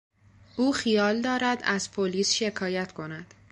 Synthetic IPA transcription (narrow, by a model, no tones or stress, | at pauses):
ʔuːxijɒːld̪ɒːɾæd̪æz̥pʰoliːsʃe̞kʰɒːjæt̪ʰkʰo̞næd̪̥